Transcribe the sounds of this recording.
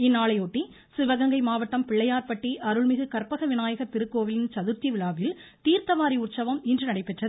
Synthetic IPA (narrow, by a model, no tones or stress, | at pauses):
ɪnːaːɭɐɪoːʈːi | sɪʋɐɣɐŋɡɐɪmaːʋɐʈːɐmpɪɭːɐjaːɾpɐʈːiʔɐɾɯɭmɪɣɯkɐɾpɐɣɐʋɪnaːjɐɣɐt̪ɪɾɯkːoːʋɪlɪnt͡ʃɐðɯɾt͡ʃ̪iʋɪɭaːʋɪl | t̪iːɾt̪ɐʋaːɾiʊʈt͡ʃɐʋɐmɪndrɯnɐɽɐɪpːɛʈrɐð